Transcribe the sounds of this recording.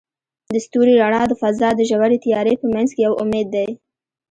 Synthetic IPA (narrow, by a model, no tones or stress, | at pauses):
d̪əst̪uɾiɾaɳɑd̪əfazɑd̪əʒawaɾet̪ijɑɾepəmanzkejawʊmed̪ːaj